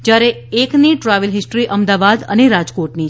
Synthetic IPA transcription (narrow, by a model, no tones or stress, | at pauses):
d͡ʒjaɾe | ekniʈɾaʋəlɦɪsʈɾiʔəmd̪aʋad̪ə̰neɾad͡ʒkoʈni